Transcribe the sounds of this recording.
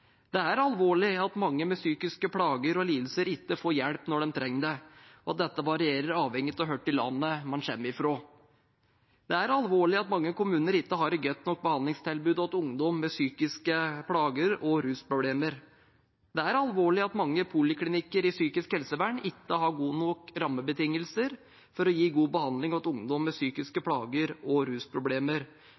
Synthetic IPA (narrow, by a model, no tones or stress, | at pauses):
d̪ɛæɾɑlʋoːɭɪɑt̪mɑŋːəmɛsyːkɪskəpʰɽɑːɡəɾɔliːd̪l̩səɾɪkːəfoːɾjɛɽpnɔɖɛnt̪ʰɾɛŋːd̪ɛɔɑt̪̚d̪ɛt̪ːəʋɑɾɪeːɾəɾɑːʋhɛŋːət̪ɔɦøːʈːɪlːɑ̰nːəmɑnɕɛ̰mːɾɪfɾoː | d̪ɛæɾɑlʋoːɭɪɑt̪mɑŋːəkʊmʉːnəɾɪk̪ːəɦɑɾɡœt̪ːnɔk̚bəhɑnd̪lɪŋst̪ʰɪlbʉːd̪ɔt̪ʊŋd̪ɔmːɛsyːkɪskəpʰɽɑːɡəɾɔɾʉːspʰɾʊbleːməɾ | d̪̥ɛæɾɑlʋoːɭɪɑt̪mɑŋːəpʰulɪkʰlɪnɪkːəɾɪsyːkɪskhɛlsəʋæːɳɪkːəɦɑɾɡuːnukɾɑmːəbət̪ɪŋːəlsəɾ | fɔɾɔjiːɡuːbəhɑnd̪lɪŋɔt̪ʊŋd̪ɔmːɛsyːkɪskəpʰɽɑːɡəɾɔɾʉːspʰɾʊbleːməɾ